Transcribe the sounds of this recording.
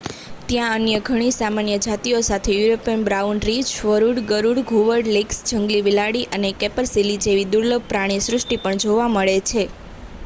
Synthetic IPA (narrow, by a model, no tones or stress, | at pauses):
t̪jãənjəɡʱəɽ̃isamanjəd͡ʒat̪iosat̪ʰejuɾopiənbɾaunɾid͡ʒʋəɾuɽɡəɾuɽɡʱuʋəɾɖleksd͡ʒəŋɡliʋilaɽiʔənekɛpəɾsilid͡ʒeʋid̪uɾləb̚pɾaɽ̃isɾʊʂʈipəɳd͡ʒoʋaməɭet͡ʃʰe